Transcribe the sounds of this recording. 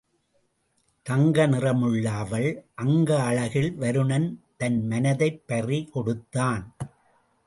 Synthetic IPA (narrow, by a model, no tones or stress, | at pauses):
t̪ɐŋɡɐnɪrɐmɯɭːaːʋɐɭʔɐŋɡɐːɭɐɣɪɭʋɐɾɯɳɐnt̪ɐnmɐnɐðɐɪpːɐrikɔɽɯt̪ːaːn